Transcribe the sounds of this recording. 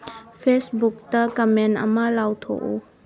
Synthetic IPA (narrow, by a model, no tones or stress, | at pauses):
pʰesbuk̚tɐkɐmenɐ̰mɐlawtʰo̰ʔu